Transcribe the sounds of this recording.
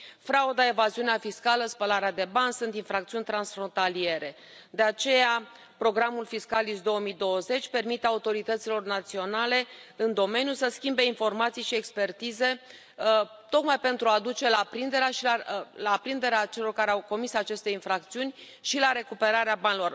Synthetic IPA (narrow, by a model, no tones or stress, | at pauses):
fɾaud̪ae̞vaziuneafiskaləspəlaɾead̪e̞banʲsunt̪infɾakt̪siunʲt̪ɾansfɾo̞nt̪alie̞ɾe̞ | d̪e̞at͡ʃe̞ja | pɾo̞ɡɾamulfiskalisd̪o̞wəmid̪o̞wəze̞t͡ʃʲpe̞rmit̪eaut̪o̞ɾit̪ət̪silo̞rnat̪sio̞nale̞ɨnd̪o̞me̞njusəskʲimbe̞info̞rmat̪sijʃie̞kspe̞rt̪ize̞ | t̪o̞kmajpe̞nt̪ɾuad̪ut͡ʃe̞lapɾind̪e̞ɾeaʃialapɾind̪e̞ɾeat͡ʃe̞lo̞rkaɾeawko̞misat͡ʃe̞st̪e̞infɾakt̪siunʲ | ʃilaɾe̞kupe̞ɾaɾeabanʲilo̞r